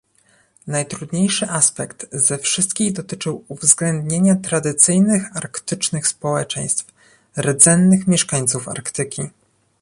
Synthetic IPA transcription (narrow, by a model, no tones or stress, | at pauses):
najt̪ɾud̪ɲejʂɘʔaspɛkt̪zɛfʂɘst̪kʲiɣd̪ɔt̪ɘt͡ʂɘwuvzɡlɛnd̪ɲeɲat̪ɾad̪ɘt̪sɘjnɘxaɾkt̪ɘt͡ʂnɘxspɔwɛt͡ʂɛj̃st̪f | ɾɛd̪zɛnːɘxmʲjɛʂkaɲt̪sufa̰ɾkt̪ɘkʲi